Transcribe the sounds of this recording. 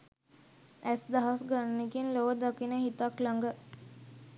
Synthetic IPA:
æsd̪aɦasɡannekinloʋəd̪akinəɦit̪aklaŋɡə

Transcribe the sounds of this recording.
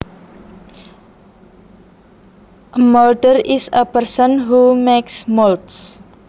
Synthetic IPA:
ʔəmɔlɖərisəpərsənɦumeksmolts

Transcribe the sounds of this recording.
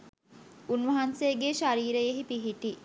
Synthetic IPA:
unʋɐɦanseːɡeʃaɾiːɾejeɦipiɦiʈi

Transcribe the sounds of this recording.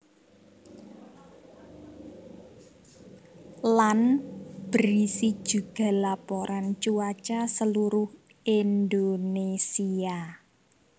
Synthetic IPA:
lanb̥ɾisid̥ʒ̥ṳɡ̥a̤lapoɾʔant͡ʃuat͡ʃasəluɾʊh | ʔind̪onesia

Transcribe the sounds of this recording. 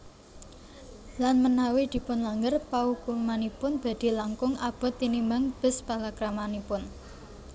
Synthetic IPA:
lanmənawid̪̥i̤pʊnlaŋɡərpaukumanipʊnb̥a̤d̪̥i̤laŋkʊŋab̥ɔ̤t̪inimbaŋb̥ə̤spalakɾamanipʊn

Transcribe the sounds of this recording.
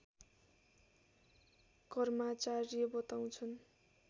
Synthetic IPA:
kʌrmat͡saɾijʌbʌt̪aw̃t͡sʰʌn

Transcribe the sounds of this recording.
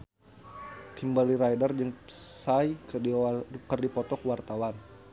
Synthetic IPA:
t̪imbaliɾajdard͡ʒɨŋsaj | kərdipɔt̪ɔkwart̪awan

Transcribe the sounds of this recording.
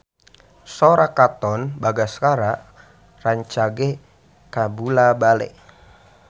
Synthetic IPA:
soɾakat̪ɔnbaɡasə̥kaɾa | raɲt͡ʃaɡe | kabulabalɛ̰

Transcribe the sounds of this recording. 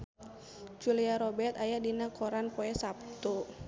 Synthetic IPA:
d͡ʒuliaɾɔbɛrt̪ajadinakʰɔɾanpɔɛsap̚t̪u

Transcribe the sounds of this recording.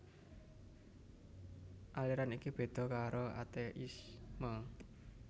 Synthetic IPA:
ʔaliɾanikib̥e̤d̪̥ɔ̤kaɾoa̰t̪eʔismə

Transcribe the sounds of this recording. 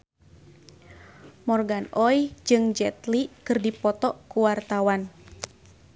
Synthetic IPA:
mɔrɡanɔjd͡ʒɨŋd͡ʒɛt̪likɨrdipɔt̪ɔkuwart̪awan

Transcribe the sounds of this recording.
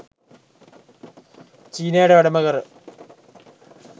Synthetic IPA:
t͡ɕiːnejɽeɐɽɐmɐɣɐr

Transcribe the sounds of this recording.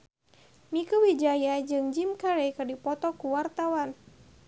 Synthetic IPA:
mikuwid͡ʒajad͡ʒɨŋd͡ʒimkaɾɛkɨrdipɔt̪ɔkuwart̪awan

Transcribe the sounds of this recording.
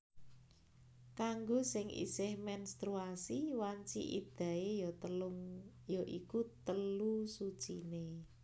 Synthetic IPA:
kaŋɡosɪŋʔḭsɪhmɛnst̪ɾuasiwaɲt͡ʃḭʔḭd̪̥a̤ejɔt̪əlʊŋjɔʔikut̪əlusu̥t͡ʃine

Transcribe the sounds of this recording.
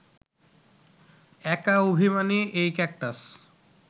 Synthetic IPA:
ɛkaobʱimaniʔejkɛk̚ʈas

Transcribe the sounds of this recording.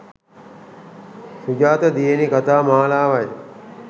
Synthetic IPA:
sud͡ʒaːt̪əd̪ijenikat̪aːmaːlaːʋaj

